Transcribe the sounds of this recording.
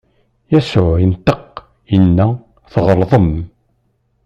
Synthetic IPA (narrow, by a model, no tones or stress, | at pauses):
jæsʊʕənt̪əq | jənːæ | θʁəɾˤðˤəm